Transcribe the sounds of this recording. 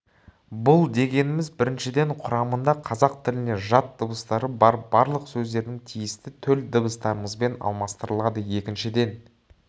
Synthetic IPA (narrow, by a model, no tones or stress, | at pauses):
bʊlˠd̪e̞ɡʲe̞nɪmɪzbɪɾɪnʃɪd̪e̞ɴqʰʊɾɑmənd̪ɑqʰɑzɑq̚t̪ʰɪlɪne̞ʒɑt̪̚d̪əbəst̪ɑɾəbɑɾbɑɾlˠəqsɵzd̪e̞ɾd̪ɪŋt̪ʰijɪst̪ɪt̪ʰɵld̪əbəst̪ɑɾəməzbe̞nɑ̰lˠmɑst̪əɾəlˠɑd̪əje̞kʲɪnʃɪd̪e̞n